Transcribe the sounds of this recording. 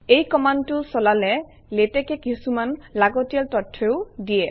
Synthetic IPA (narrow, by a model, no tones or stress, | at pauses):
ejkɔmantʊsɔlalɛ | letɛkɛkisumanlaɡɔtijaltɔtʰːeʊdijɛ